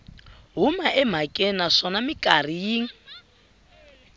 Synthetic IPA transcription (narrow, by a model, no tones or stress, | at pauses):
ɦumaʔɛm̤akʼɛnaʂɔnamikʼar̤ijiːŋ̩